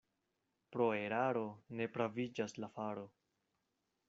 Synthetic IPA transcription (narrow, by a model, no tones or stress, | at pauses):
pɾo̞e̞ɾaɾo̞ne̞pɾavid͡ʒaslafaɾo̞